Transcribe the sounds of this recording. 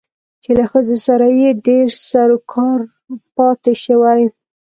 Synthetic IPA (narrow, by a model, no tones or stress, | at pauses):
t͡ʃelaxəzosaɾajeɖeɾsaɾokʰɑɾ | pɑt̪eʃəwaj